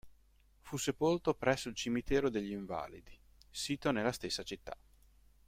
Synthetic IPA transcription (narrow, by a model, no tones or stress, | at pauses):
fusːepolt̪opɾɛsːoilt͡ʃimit̪ɛːɾod̪eʎːiɱva̰ːlḭd̪i | siːt̪onelːast̪esːat͡ʃit̪ːa̰